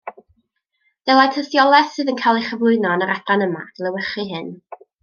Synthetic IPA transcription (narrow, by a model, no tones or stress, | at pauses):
ð̥əlˠatʰəsjɔlˠɛθsɨðənkʰajlˠejχəvlˠʊɨnɔnəɾabranəma̰ɡ̥lˠəwɛχɨɦɪn